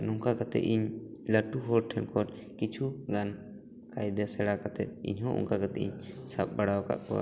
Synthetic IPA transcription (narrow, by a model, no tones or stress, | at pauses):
nɔŋkakat̪ɛ̰ʔiɲləʈuɦɔlʈʰɛnkʰɔɾ | kit͡ʃʰuɡan | kajd̪ɛsɛɽakat̪ɛt̪̚ḭɲɦɔ̃ʔɔ̰ŋkakat̪ɛiɲsap̚baɽawka̰ʔkɔ̰wa̰